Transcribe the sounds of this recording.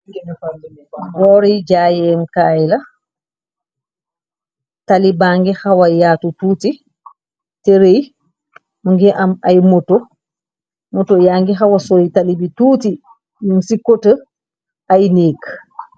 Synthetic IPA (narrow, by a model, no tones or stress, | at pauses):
bɔːɾiɟaːjɛmkaːjlɐ | talibaːŋɡixawɐjaːtutuːti | teɾej | muŋɡiʔɐmajmoto | motojaːŋɡixawasɔitalibituːti | munsikotə | ajniːk